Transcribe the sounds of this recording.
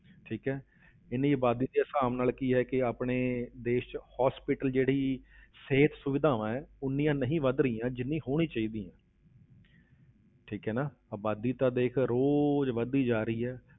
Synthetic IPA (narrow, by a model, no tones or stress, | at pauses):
ʈʰiːkɦɛː | ɪnĩːəbaːd̪iːd̪eːəsaːmnaːlkiːɦɛːkɪaːpɳeːd̪eːʃt͡ʃhaːspɪʈəld͡ʒeːɽiːseːt̪sʊʋɪd̪ʱaːʋãɛːʊnːijãːnəɦĩːʋəd̪ɾiːãːd͡ʒɪnːĩːɦoːɽ̃ĩːt͡ʃaːiːd̪iːãː | ʈʰiːkɦɛːnaːəːbaːd̪iːt̪ãːd̪eːkʰɾoːd͡ʒʋəd̪iːd͡ʒaːɾəiːɦɛː